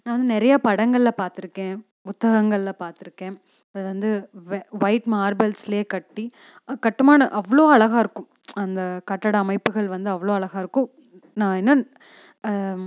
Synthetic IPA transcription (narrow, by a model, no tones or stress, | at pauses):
nãːʋɐnd̪ɯnɛɾɐjapɐɽɐŋɡɐɭɪlɐpaːɾt̪ɪɾɯkːẽː | ʊt̪ːɐɣɐŋɡɐɭlɐpaːɾt̪ɪɾɯkːẽː | ɐðɯʋɐnd̪ɯʋʋɐɪʈmaːɾbɛlsleːkɐʈːi | kɐʈːɯmaːnɐʔɐʋːɐɭoːɐɭɐɣaːɪɾɯkːʊ̃ | ɐnd̪ɐkɐʈːɐɽɐːmɐɪpːɯɣɐɭʋɐnd̪ɯɐʋːɐɭoːɐɭɐɣaːɪɾɯkːʊ̃ | nãːɛnːɐ